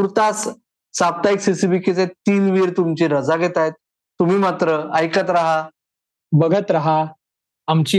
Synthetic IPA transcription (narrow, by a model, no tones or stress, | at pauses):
uɾt̪as | sap̚t̪aiksisibiket͡set̪ːiːnʋiɾt̪umt͡ɕiɾəd͡zaɡʱet̪ajt̪̚ː | um̤iːmat̪ɾəəjkət̪ɾaɦa | bəɡʱət̪ɾaɦa | amt͡ɕi